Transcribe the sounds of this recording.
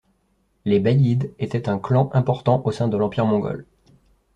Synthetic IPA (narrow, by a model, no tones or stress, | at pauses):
lebajid̪et̪ɛt̪ɛ̃klɑ̃ʔɛ̃pɔʁt̪ɑ̃ʔosɛ̃d̪əlɑ̃piʁmɔ̃ɡɔ̰l